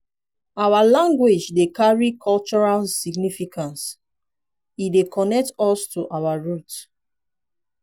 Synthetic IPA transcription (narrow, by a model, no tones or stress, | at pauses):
awalãŋɡwed͡ʒdekaɹikʰɔlt͡ʃɔɹalsiɡnifikãns | idekʰɔnɛk̚tɔstuʔawaɹut